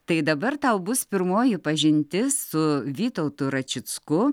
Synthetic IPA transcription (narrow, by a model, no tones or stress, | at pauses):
t̪ɐɪd̪ɐbɐrt̪ɐʊbʊspʲɪɾmoːjɪpɐʒʲɪnʲt̪ʲɪssʊʋʲiːt̪ɐʊt̪ʊɾɐt͡ʃʲɪt͡skʊ